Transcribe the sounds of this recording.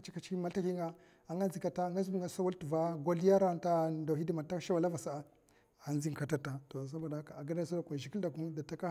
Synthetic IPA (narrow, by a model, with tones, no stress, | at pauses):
t͡ʃi˦ka˨t͡ʃi˦ma˦lta˦hi˦ŋɡa˦ | a˨ŋɡa˦n˦zi˨ka˨ta˦˨ŋɡa˦zi˦mi˨ŋɡa˨˦sa˦wa˦ltu˨va˦ɡo˦li˦a˦ɾa˦nta˦da˨hi˦di˦ma˨ta˦ʃa˦wa˨la˦va˨sa˦a˨ | a˨nzi˦ŋ˨ka˨ta˦ta˨to˨s̬a˦ba˨da˦ka˨a˨ɡa˦dsa˦da˨kʷa˨ʒi˨ki˦lda˨ku˦nda˨ta˦ka˦